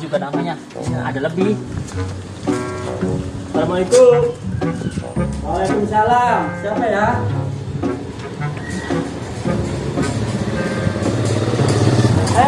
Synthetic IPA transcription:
d͡ʒuɡanamaɲa | aa̰daləbɪh | namait̪u | oakunsalasakaja

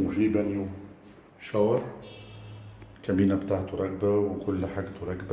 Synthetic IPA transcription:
fibænju | ʃɑɾˤ | kæmiːnæbt̪aʕt̪uɾˤɑk̚bawkʊlːħaɡt̪ʊɾˤɑkːb

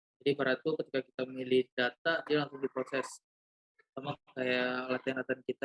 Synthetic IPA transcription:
d͡ʒadibəɾat̪ukət̪ikakit̪amilɪhdat̪̚adialaŋsʊŋdipɾosɛs | samakajalat̪anlat̪ankit̪a

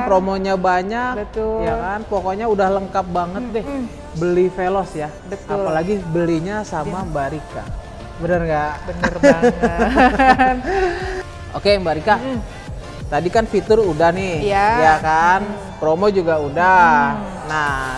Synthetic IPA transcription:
pɾomoɲabaɲakbəjakanpokoɲaudahləŋkap̚baŋət̪̚dɪh | bəlifelɔsja | bət̪palaɡibəliɲasamambaɾika̰ | bənərŋɡabənər | okembaɾika | t̪adikanfit̪ʊrudahnɪjajakan | pɾomod͡ʒuɡauda | na

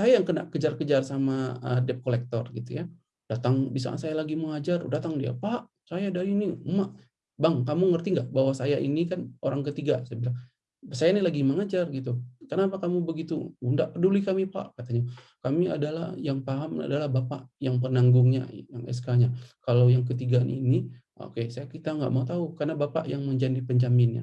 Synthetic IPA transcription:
sajajaŋkəna̰ʔkəd͡ʒarkəd͡ʒarsamaə̰dɛp̚kolɛk̚t̪ɔrɡit̪uja | d̥at̪aŋbisa̰sajalaɡiməŋad͡ʒardat̪aŋdia̰paʔ | sajadaɾinimaʔ | baŋkamuŋərt̪iŋɡaʔbawasajaʔinikanoɾaŋkət̪iɡasbilaŋ | bsajanilaɡiməŋad͡ʒarɡit̪ukənapakamubəɡit̪uundaʔpərdulikamipa̰ʔkat̪aɲa | kamia̰dala̰hjaŋpaɦama̰dalahbapa̰ʔjaŋp̬ənaŋɡʊŋɲa̰jaŋɛ̰s̬kaɲakalawjaŋk̬ət̪iɡaanʔḭni | ʔo̰kesajakit̪aŋɡa̰ʔmaut̪aukarnabapa̰ʔjaŋməɲd͡ʒandipəɲd͡ʒamɪnja̰

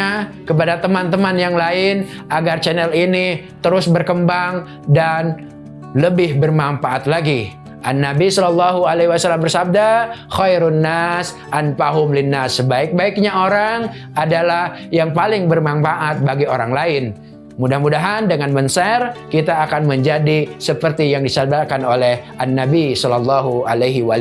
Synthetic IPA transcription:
akəp̬adat̪əmant̪əmanjaŋlaɪn | ʔaɡart͡ʃɛnɛlini | t̪əɾʊsbərkəmbaŋ | dan | ləbɪhbərmamfaʔat̪laɡi | ʔanːabisɔlɔlːɑɦualehwasalːambərsab̚daxajɾnːas | ʔanfaɦʊmlɪnːasːəbaɪk̚baɪk̚ɲaoɾaŋ | adalah | jaŋpalɪŋbərmamfaʔat̪̚baɡioɾaŋlaɪn | mudahmudaɦandəŋanmənsɛrkit̪aːkanməɲd͡ʒadisəpərt̪ijaŋdisab̚dakanolɛhʔanːabisɔlɔlːɑɦualejɦiwal

